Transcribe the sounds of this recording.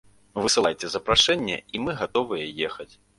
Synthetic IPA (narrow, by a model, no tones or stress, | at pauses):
vɨsɨlˠajt͡sʲɛzɐpɾaʂɛnʲːɛ̰imɨɣat̪ɔvɨjɛjɛxɐt͡sʲ